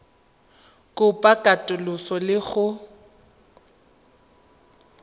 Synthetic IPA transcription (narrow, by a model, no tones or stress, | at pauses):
kʼʊpʼakʼatʼʊlʊsɔlɪɣʊ